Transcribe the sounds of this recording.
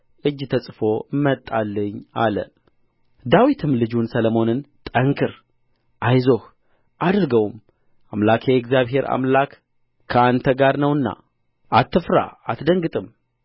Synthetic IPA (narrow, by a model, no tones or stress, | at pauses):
ʔɨd͡ʒt̪ʰəsʼfo̞mːət̪ʼːalːəɲːa̰lə̰ | d̪awit̪ʰɨmlɨd͡ʒunsələmo̞nɨnt̪ʼəŋkʰɨɾ | ʔajzo̞h | ʔad̪ɾɨɡəwm | ʔamlakʰjɛɛkzjaβɦe̞ɾa̰mlakːʰ | əant̪ʰəɡaɾnəwɨnːa̰ | ʔat̪ːɨfɾa̰at̪d̪əŋɡɨt̪ʼɨm